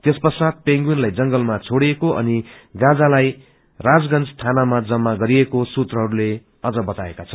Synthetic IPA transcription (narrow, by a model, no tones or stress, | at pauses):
t̪espʌrsat̪̚peŋɡunlajd͡zʌŋɡʌlmat͡sʰoɽiekoʔʌ̰niɡãd͡zalaj | rad͡zɡʌnt͡sst̪ʰanamad͡zʌmːaɡʌɾiekosut̪rʌɦʌɾule | ʌd͡zʌbʌt̪aekat͡sʰʌ